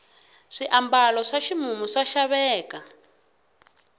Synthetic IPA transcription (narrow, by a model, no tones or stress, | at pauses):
ʂiʔambalɔʂaʃimumuʂaʃaβɛːka